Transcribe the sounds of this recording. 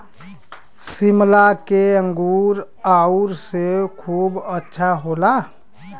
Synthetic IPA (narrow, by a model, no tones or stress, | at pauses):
simlakeəŋɡuɾ | auɾsekʰuːbətːʃʰaɦola